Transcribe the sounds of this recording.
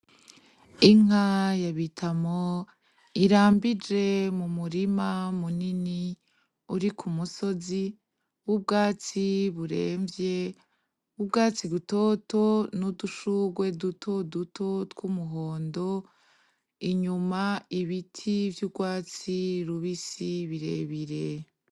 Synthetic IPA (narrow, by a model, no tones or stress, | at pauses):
iŋ̥ajaβitʰamo | iɾaːmbid͡ʒe̞mumuɾimamunini | uɾikʰumuso̞zi | βub̚ɡaːt͡siβuɾe̞̰ːɱvje̞ | ubɡaːt͡siɡuto̞to̞nuduʃuɡwe̞dutʰo̞dutʰo̞twumuɦo̞ːndo̞ | iɲumaiβitʰivjubɡwaːt͡siɾuβisiβiɾe̞̰βiɾe̞